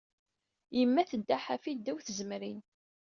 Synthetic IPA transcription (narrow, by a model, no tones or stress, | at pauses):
jəmːæθəd̪ːaħafid̪ːæwθəzəmɾin